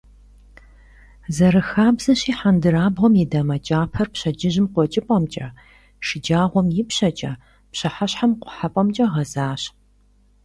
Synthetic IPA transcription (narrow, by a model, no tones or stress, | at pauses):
zɐɾɨxaːbzɐɕiːħandɨraːbʁɔmjɪdɐmɐt͡ʃʼaːpʰɐrpɕɐd͡ʒɪʑɪmqʷɔt͡ʃʼɪpʼɐmt͡ʃʼɐ | ʃɪd͡ʒaːʁʷɔmjɪpɕɐt͡ʃʼɐ | pɕɐħaɕħamqʷʊħapʼɐmt͡ʃʼɐʁɐzaːɕ